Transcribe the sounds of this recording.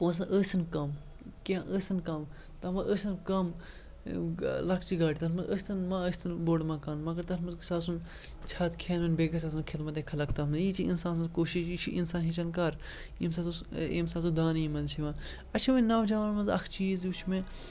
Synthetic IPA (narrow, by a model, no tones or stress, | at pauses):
poːns̬ɐnʔəːsɐnkɐm | kʲãʔəːsɐnkɐm | t̪ɐmɐʔəːsɐnkɐm | lɐkʰt͡ʃiɡaːʈit̪ɐnmɐzəːsʲt̪ɐnmãəːst̪ʰɐnboːɽmãːkaːnmɐɡɐɾt̪ɐnmɐzkusaːsun | t͡ʃʰaːt̪kʰeːnɐnbeːɡɐt̪ʰaːs̬unkʰit̪mɐt̪ekʰɐlɐk̚t̪ɐnmziːt͡ʃʰiḭnsaːns̬ɐnzkoːʃiʃit͡ʃʰiʔḭnsaːnɦit͡ʃɐnkɐɾ | imsasuḭmsaːs̬ud̪aːnimɐnzt͡ʃʰimãː | ɐt͡ʃʰimɐnɐwd͡ʒaːʋɐnmɐnzɐ̰kʰt͡ʃiːzut͡ʃʰmẽ